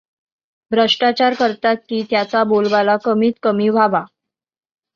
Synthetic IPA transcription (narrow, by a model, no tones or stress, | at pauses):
bʱɾəʂʈat͡ɕaɾkəɾt̪at̪̚kiːt̪jat͡sabolʋalakəmiːt̪kəmiːʋʱaʋa